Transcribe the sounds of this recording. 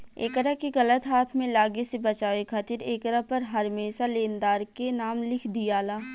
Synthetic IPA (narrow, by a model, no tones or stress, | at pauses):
ḛːkəɾəkiɣɐlət̪ɦaːt̪ʰmẽlaːɡesebɐt͡ʃaːʋekʰaːt̪ɪɾeːkəɾapɐɾɦɐɾmeːsalẽːnd̪aːɾkenaːmlɪkʰd̪ijaːlaː